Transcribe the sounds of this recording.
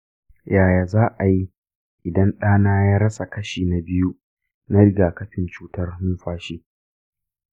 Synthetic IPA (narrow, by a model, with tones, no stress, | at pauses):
jaː˨jaː˨zaː˦ʔa˨ji˦ | ʔɪ˨dɐ˦nɗaː˦naː˦jaː˦ɾɐ˦sa˨kɐ˦ʃiː˨na˨bɪ˦ju˦ | na˦ɾɪ˦ɡaː˨kɐ˦ɸɪ˨nt͡ʃuː˦tɐ˦rhʊ˦nɸaː˦ʃiː˦